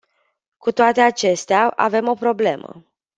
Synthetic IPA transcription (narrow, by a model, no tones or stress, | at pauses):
kut̪oat̪e̞at͡ʃe̞st̪eaʔa̰ve̞mo̞pɾo̞ble̞mə̰